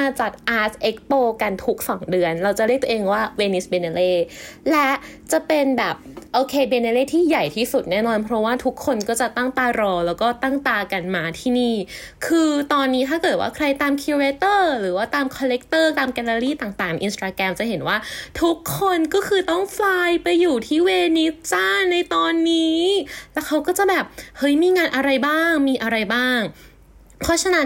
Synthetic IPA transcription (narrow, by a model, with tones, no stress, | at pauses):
maː˧t͡ɕa˨˩t̪̚ʔaː˨˦˥sʔe˦˥k̚poː˧˩ka˧nt̪ʰu˦˥k̚sɔː˩˦ŋdɯ˧ənɾa˧wt͡ɕa˨˩ɾi˥˩k̪̚ʰoː˧ʔeː˧ŋwaː˥˩weː˧ni˦˥sbe˧na˧leː˥˩lɛ˦˥ʔt͡ɕa˨˩pe˧nbɛː˨˩p̚ʔoː˧kʰeː˧beː˧na˧leː˥˩t̪ʰiː˥˩ja˨˩jt̪ʰiː˥˩su˨˩t̪̚nɛː˥˩nɔː˧npʰɾɔ˦˥waː˥˩t̪ʰu˦˥kʰːo˧nkɔː˥˩t͡ɕa˨˩t̪a˥˩ŋt̪aː˧ɾɔː˧lɛː˦˥wkɔː˥˩t̪a˥˩ŋt̪aː˧ka˧nmaː˧t̪ʰiː˥˩niː˥˩kʰɯː˧t̪ɔː˧nːiː˦˥t̪ʰaː˥˩kɤː˨˩t̪̚wa̰ː˥˩kʰɾa˧jt̪aː˧mkʰiː˧ɾeː˧˥t̪ɤː˥˩ɾɯː˩˦waː˥˩t̪aː˧mkʰɔː˧le˦˥k̚t̪ɤː˥˩t̪aː˧mkɛ˧la˧ɾiː˥˩t̪aː˨˩ŋt̪aː˨˩ŋʔi˧nst̪aː˧kɛ˧mt͡ɕa˨˩ɦe˩˦nwaː˥˩t̪ʰu˦˥kʰːo˧nkɔː˥˩kʰɯː˧t̪ɔ˥˩ŋflaː˧jpa˧jːuː˨˩t̪ʰiː˥˩weː˧ni˦˥t͡ɕa˥˩na˧jt̪ɔː˧nːiː˦˥lɛː˦˥wkʰa˦˥wkɔː˥˩t͡ɕa˨˩bɛː˨˩p̚hɤ˦˥jmiː˧ŋaː˧nʔa˧ɾa˧jbaː˥˩ŋmiː˧ʔa˧ɾa˧jbaː˥˩ŋ | pʰɔː˦˥˩t͡ɕʰa˧na˦˥